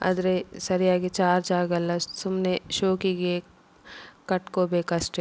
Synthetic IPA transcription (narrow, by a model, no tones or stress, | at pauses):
ɐ̰d̪ɾesɐɾijaːɡet͡ʃaːɾd͡ʒaːɾɡɐlːɐssʊmneʃoːkiɡe | kɐʈkobeːkɐsʈe